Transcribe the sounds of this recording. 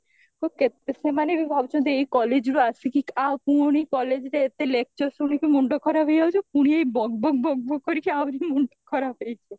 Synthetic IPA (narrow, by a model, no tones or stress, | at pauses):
kʰub̚ket̪semanebibʱabt͡ʃʰɔ̃nt̪ejkɔled͡ʒɾuasikikawpũoɽ̃ikɔled͡ʒɾeet̪elek̚t͡ʃɔɾsuɽikimuɳɖokʰːɔɾapejawt͡ʃʰepuɽ̃iejbɔɡ̚bɔɡ̚bɔɡ̚bokoɾikʰiawɾimuɳʈokʰɔɾapejt͡ʃʰe